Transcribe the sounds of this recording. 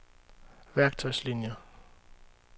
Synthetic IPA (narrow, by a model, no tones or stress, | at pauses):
ʋæɐɡ̥̚t͡sʰɒɪslinjɐ